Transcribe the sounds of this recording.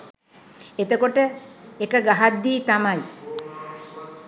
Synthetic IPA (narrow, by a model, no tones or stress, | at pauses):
et̪əkoʈəekəɡaɦad̪ːiːt̪amaj